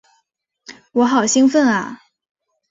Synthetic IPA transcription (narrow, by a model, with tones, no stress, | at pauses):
wɔ˧˥xɑ˨˩ʊɕi˥ŋfə˥˩nɐ̰˩